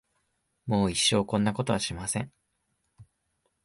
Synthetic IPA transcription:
mo̞ːiɕːo̞ːkõ̞nːako̞t̪o̞aɕimasẽ̞ŋ

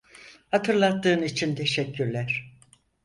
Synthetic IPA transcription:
hat̪ʰɯɾlˠat̪ːɯːnit͡ʃʰint̪ʰe̞ʃɛkːyɾlʲæɾ̥

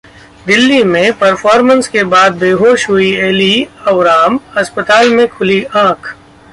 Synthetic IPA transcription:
d̪ɪlːimẽpɐɾfʰɔːɾmə̃nskebaːd̪̚beːɦoːʃɦʊieːliɐʋɾaːmɐspət̪aːlmẽkʰʊliãːkʰ

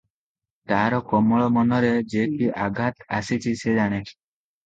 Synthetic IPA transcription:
t̪aɾɔkɔmɔɭɔmɔnɔɾed͡ʒekiʔaɡʱat̪asit͡ʃʰised͡ʒaɽ̃ekʰi̥

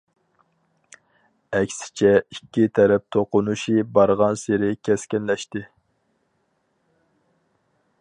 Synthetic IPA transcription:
ɛkʲsɪ̥t͡ʃʰɛikʲːit̪ʰɛɾɛp̚t̪ʰoqʊnuʃibɑɾʁɑnseɾɪkʲʰɛskʲɛnlɛʃt̪ɪ

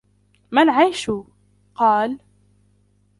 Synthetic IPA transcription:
manʕajʃu | qɑːl

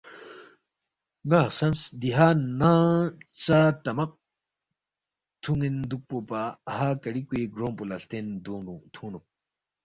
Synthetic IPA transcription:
naːsɐmsd̪iɦaːnãt͡sat̪ɐmɐq̚ | t̪ʰuŋind̪uk̚popaːɦaːkɐɾikuiɡɾõːmpulɐst̪end̪uut̪ʰuːnu

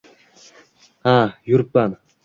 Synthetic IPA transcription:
ajuɾpan

